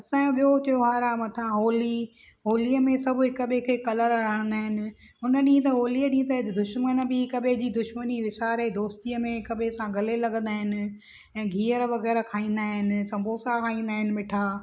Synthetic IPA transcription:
ɐsãːoɓijot͡ɕɐjoɦaːɾamɐt̪ʰãɦoːli | ɦoːlijəmẽsɐbʱʊɦɪkəɓekʰeːkɐləɾɾɐɽ̃ə̃nd̪aːɦɪnɪ̆ | ʊnəɗĩːt̪̬ɐɦoːliːəɗĩːt̪ɐɦɪd̪ʊʃmənə̆bɪɪkɐɓed͡ʑiːd̪ʊʃməniʋɪsaːɾed̪oːst̪iːəmẽɪkɐɓesãɡɐlelɐɠə̃nd̪aːɦɪnɪ̆ | ɛ̃ːɡʱiːəɾʋɐɣɛːɾkʰaːĩːn̆d̪aːɦɪnɪ̆sɐ̃mbʱoːsakʰaːĩːnd̪aːɦɪnɪ̆mɪʈʰaː

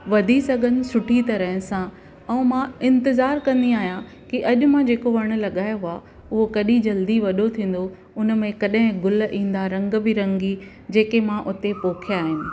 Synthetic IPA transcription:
ʋɐd̪ʱisɐɡʱənɪ̆sʊʈʰit̪ɐɾəɦsã | ɛ̃ːmãɪ̃nt̪ɪzaːɾkɐ̃nd̪iaːɦijã | kiʔɐʄʊ̆mãd͡ʑeːkoʋɐɽ̃ʊ̆lɐɠaːjoɦʊa | ʊɦokɐɗĩd͡ʑɐld̪iʋɐɗot̪ʰĩːn̆d̪o | ʊnə̆mẽkɐɗɦɪ̃ɡʊlʔĩːn̆d̪aɾɐ̃ŋɡbɪɾɐ̃ŋɡi | d͡ʑeːkemãʔʊt̪epoːkʰijaːɦɪnɪ̆

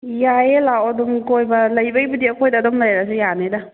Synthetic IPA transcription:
jajelawɐdɔmkojbɐlɐjbɐjbɐdiɐkʰojdaːdɔmlajɾasɯjaneda

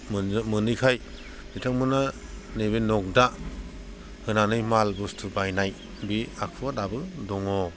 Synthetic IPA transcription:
mmɯnɯjkʰaj | ditʰaŋmɯna | nebenɔk̚da | hɯnanɯjmalbustʰɯbajnaj | biakʰɯatabɯdɔŋɔ

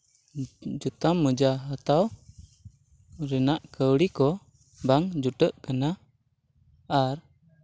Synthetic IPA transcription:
d͡ʒut̪amːəd͡ʒaːt̪aw | ɾinaʔkʰəwlikɔ | baŋd͡ʒuʈəʔkəna | ar

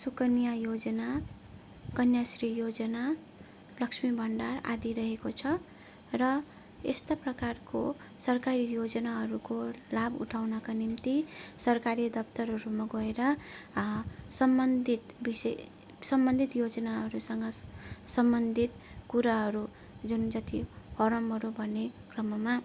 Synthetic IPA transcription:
sukʌnijajod͡zʌna | kʌnjasrijod͡zʌna | lʌksmibʱʌɳɖara̰d̪iɾʌɦekot͡sʰʌ | rʌ | est̪aprʌkarko̰ | sʌrkaɾijod͡zʌnaɦʌɾukolabṵʈʰawnʌkanimt̪isʌrkaɾid̪ʌpt̪ʌɾʌɾumaɡʌeɾʌ | sʌmbʌnd̪ʱit̪bise | sʌmbʌnd̪ʱit̪jod͡zʌnaɦʌɾusʌŋɡʌsʌmbʌnd̪ʱit̪ | kuɾaɦʌɾu | d͡zund͡zʌt̪i | hʌɾʌmɦʌɾubʱʌnːekrʌmʌma

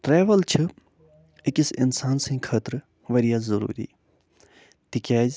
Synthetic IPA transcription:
ʈɾeːʋəlt͡ʃʰɨ | ekisḭnsaːnsɐ̃ːkʰəːt̪ɾ | ʋɐɾijaːzɐɾṵːɾḭː | t̪ikʲaːz

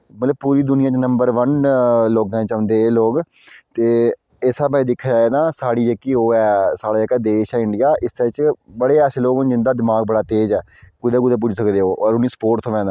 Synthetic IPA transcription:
mət̪ləb̚puːɾiːd̪ʊnɪjãːt͡ʃnəmbəɾʋənloːɡãːt͡ʃaʊ̃nd̪eːloːɡ | t̪eː | esaːbaːiːd̪ɪkʰːaːd͡ʒaːeːd̪aːsaːɽiːd͡ʒekːiːoːɛːsaːɽaːd͡ʒekaːd̪eːʃɛːɪ̃ɳɖɪjaːʔɪst̪et͡ʃbəɽeːɛːseːloːɡd͡ʒɪ̃nd̪aːd̪ɪmaːɡ̚bəɽaːt̪eːd͡ʒɛː | ɡʊd̪eːɡʊd̪eːp̬ʊd͡ʒsəkd̪eːoːʔɔːɾʊnĩːsə̥poːɾʈt̪ʰːʋɛ̃ːd̪a

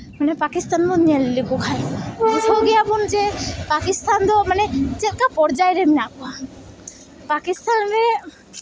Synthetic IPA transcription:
manɛpakist̪anboniallikukʰajukʰoɡijabund͡ʒepakist̪and̪ɔmanɛt͡ʃɛt̪kapɔɾd͡ʒajɾɛminakɔa | pakist̪anɾɛ

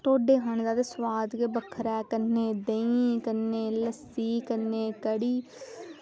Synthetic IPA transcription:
t̪oːɖeːɦəñd̪aːd̪eswaːd̪keːbəkʰəɾɛːkənːeːd̪əĩkənːeːləsiːkənːeːkəɽiː

